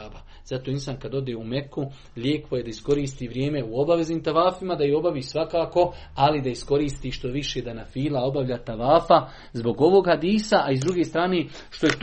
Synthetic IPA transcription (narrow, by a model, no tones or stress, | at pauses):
aba | z̥at̪oːinsankad̪o̞d̪eːume̞ku | ʎʲjeːkʋo̞je̞d̪aisko̞ɾiːst̪iːʋɾjeːme̞uobaʋe̞zniːmt̪aʋaːfimad̪ajio̞baʋiːsʋakaːko̞alid̪aisko̞ɾiːst̪iːʃt̪o̞ʋiʃed̪anafiːlao̞baʋʎaːt̪aʋaːfa | zbo̞ɡo̞ʋo̞ːɡhad̪iːsaʔaizd̪ɾuɡest̪ɾaːneː | ʃt̪o̞jet̪